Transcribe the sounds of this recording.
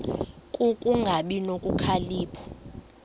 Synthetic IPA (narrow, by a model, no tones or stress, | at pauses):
kʼukʼuŋɡʱaɓinokʼukʰaliːpʰɔ̥